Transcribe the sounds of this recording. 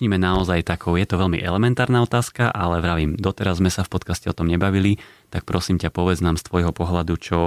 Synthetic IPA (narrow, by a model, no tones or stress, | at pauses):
ɲimɛnaɔzajt̪akʰɔʊjɛt̪ɔʋɛʎmḭʔɛ̰lɛmɛnt̪aːɾnaɔt̪aːskaʔalɛʋɾaʋimd̪ɔt̪ɛɾazːmɛsafpɔt̪kascɛɔt̪ɔmɲɛbaʋilit̪ak̚pɾɔsiːmcapɔʋɛd͡znaːmst̪ʋɔjɦɔpɔɦlad̪ut͡ʃɔ